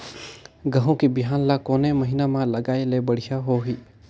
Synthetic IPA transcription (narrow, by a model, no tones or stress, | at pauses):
ɡəɦõkibiɦaːnlakoːneməɦinamãləɡaːelebəɽ̤ijaɦoɦiː